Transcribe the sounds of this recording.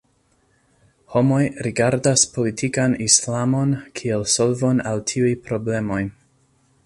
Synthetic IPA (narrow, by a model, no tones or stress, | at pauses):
ho̞mo̞jɾiɡaɾdaspo̞litʰikanislamo̞nkʰie̞lso̞lvo̞naltʰiujpɾo̞ble̞mo̞j